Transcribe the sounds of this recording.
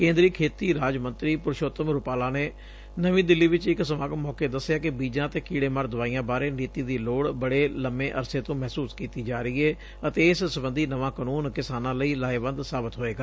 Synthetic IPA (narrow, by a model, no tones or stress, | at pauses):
kẽːnd̪ɾiːkʰeːt̪iːɾaːd͡ʒmə̃nt̪ɾiːpʊɾʃoːt̪əmɾʊpaːlaːneː | nəʋĩːd̪ɪlːiːʋɪt͡ʃɪksəmaːɡmɔːkeːd̪əsːɪjaːkɪbiːd͡ʒãːt̪eːkiːɽeːməɾd̪ʊʋaːijãːbaːɾeːniːt̪iːd̪iːloːɽbəɽeːləmeːʔəɾseːt̪õːmɛɦsuːskiːt̪iːd͡ʒaːɾəiːɦɛː | ət̪eːɪssəbənd̪iːnəʋãːkənuːnkɪsaːnãːləiːlaːeːbə̃nd̪saːbɪt̪ɦoːeːɡaː